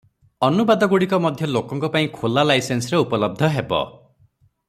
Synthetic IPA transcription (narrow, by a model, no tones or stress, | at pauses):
ɔnubad̪ɔɡuɽikɔmɔd̪ʱjɔlokɔŋkɔpaĩkʰolalajsensɔɾeupɔlɔb̚d̪ʱɔɦebɔ̰